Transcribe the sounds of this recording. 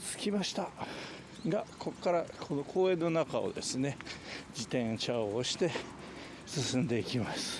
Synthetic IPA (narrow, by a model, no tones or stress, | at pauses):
t͡sɨ̥kʲimaɕi̥t̪a | ɡakʰo̞kːaɾakʰo̞nokʰo̞ːẽ̞nːo̞nakao̞̰d̪e̞sɨne̞d͡ʑit̪ẽ̞ɰ̃ɕaoɦoɕi̥t̪e̞ | sɨsɨ̃nd̪e̞ikʲimasɨ̥